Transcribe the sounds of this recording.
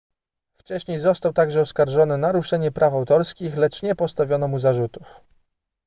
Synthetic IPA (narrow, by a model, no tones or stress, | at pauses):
ft͡ʂɛɕɲejzɔst̪awt̪aɡʐɛɔskaɾʐɔnɘnaɾuʂɛɲɛpɾʔafawt̪ɔɾskʲixlɛt͡ʂɲɛpɔst̪avʲjɔnɔmuzaʐut̪uf